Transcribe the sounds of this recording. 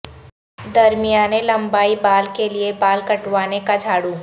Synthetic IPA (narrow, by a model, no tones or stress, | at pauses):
d̪ɐɾmijaːnelɐ̃mbaːibaːlkeliebaːlkɐʈwaːnekad͡ʒʱaːɽuː